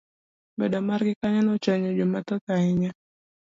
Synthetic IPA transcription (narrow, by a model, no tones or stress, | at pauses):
badamarɡikaɲanɔt͡ʃaɲɔd͡ʒomat̪ɔkaiɲa